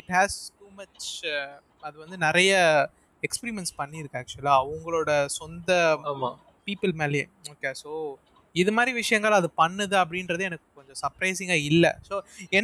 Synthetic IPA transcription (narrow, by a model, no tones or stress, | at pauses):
ɪʈhæːsʈuːmɐt͡ʃ | ɐðɯʋɐnd̪ɯnɪɾɐjɐ | ɛkspɛɾɪmɛnspɐnːɪɪɾɯkːaːk̚t͡ʃʊlaːɐʋɐŋɡɐɭoːɽɐsɔnd̪ɐma | piːpːɯlmeːlɐjḛ | oːkeːsoː | ɪðɯmaːd̪ɾiʋɪʂɐjɐŋɡɐɭɐðɯpɐnːɐðɯɐp̬ːɐɽɪnɾɐðɯɛnɐkːɯkɔɲd͡ʒɔ̃sɐɾpɾɐɪsɪ̃ŋɡaːɪlːɐ̰soːɛn